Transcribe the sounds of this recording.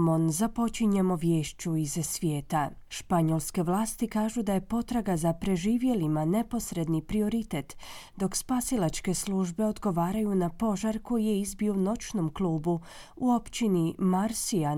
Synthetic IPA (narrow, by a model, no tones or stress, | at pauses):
mo̞nzapo̞t͡ʃiɲemoʋje̞ːʃt͡ɕuizsʋje̞ːt̪aʃpaɲo̞lˠske̞ʋlˠaːst̪ikaːʒud̪aje̞po̞t̪ɾaɡazapɾe̞ʒiːʋje̞limane̞po̞sɾe̞d̪nipɾio̞ɾit̪e̞t̪d̪o̞kspasilˠat͡ʃke̞slˠuːʒbe̞o̞d̪ɡo̞ʋaːɾajunapo̞ʒaɾko̞jije̞izbio̞no̞t͡ʃno̞mklˠuːbu | uo̞pt͡ʃinimaɾsia